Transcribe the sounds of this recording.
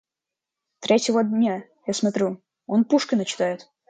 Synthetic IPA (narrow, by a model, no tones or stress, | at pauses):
t̪ɾʲetʲɪvəd̪ʲnʲa | jasmɐt̪ɾʲu | o̞npuʂkʲɪnət͡ɕɪ̥t̪ajɪt̪